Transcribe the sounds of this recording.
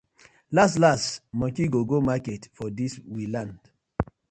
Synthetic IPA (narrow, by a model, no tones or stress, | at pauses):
lastlastmɔ̃kiɡoɡomaketfɔdiswilãnd̥